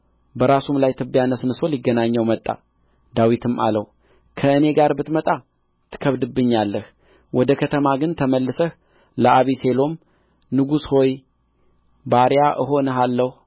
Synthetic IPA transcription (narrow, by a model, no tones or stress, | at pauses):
bəɾasumlajt̪ʰɨbːjanəsnɨso̞liɡːənaɲːəwmət̪ʼːa̰ | d̪awit̪ʰɨma̰lə̰w | kʰəɨne̞ɡaɾbɨt̪mət̪ʼa | t̪ʰɨ̥kʰəβd̪ɨbːɨɲːalːəh | wɔd̪əkʰət̪ʰəmaɡɨnt̪ʰəməlːɨsəh | ləʔaβise̞lo̞m | nɨɡusho̞j | baɾjaʔɨɦo̞nəɦalːəh